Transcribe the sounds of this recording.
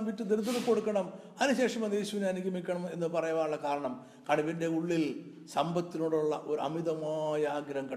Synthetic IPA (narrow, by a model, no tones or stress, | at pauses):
ʋitːɨd̪eɾut̪ːɐðuko̞ɽukːɐɳɐm | ɐnuɕe̞ːʂɐmɐd̪e̞ːɕuʋinanikʲːumikʲːɐɳɐme̞nːɨpɐrɐjaʋaːnuɭːɐkaːɾɐɳɐm | kɐɽɐʋinde̞uɭːil | sɐmbɐt̪ːinuːɽuɭːɐʔo̞ɾɐ̰miðɐmaːjaːɡɾɐŋkɐ